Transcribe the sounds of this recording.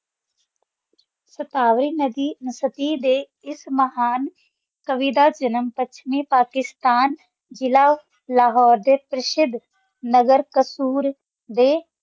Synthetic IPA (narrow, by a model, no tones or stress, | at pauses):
sət̪aːʋɾiːnəd̪iːnəsət̪iːd̪eː | ɪsməɦaːn | kəʋiːd̪aːd͡ʒənəmpətːʃʰmẽːpaːkɪst̪aːn | d͡ʒɪlaː | laːɦɔːɾd̪eːpɾəsɪd̪ʱ | nəɡəɾkəsuːɾ | d̪eː